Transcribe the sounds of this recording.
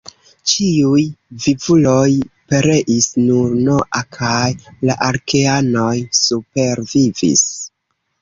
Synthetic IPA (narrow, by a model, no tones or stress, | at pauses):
t͡ʃiujvivulo̞jpe̞ɾe̞ʔisnuɾnoʔakʰajla̰ʔaɾke̞ano̞jsupe̞ɾvivḭs